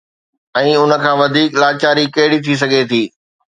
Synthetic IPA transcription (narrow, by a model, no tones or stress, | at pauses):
ɛ̃ːʊnə̆kʰãːʋɐd̪ʱiːklaːt͡ɕaːɾikeɦɪɽit̪ʰis̬ɐɡʱet̪ʰiː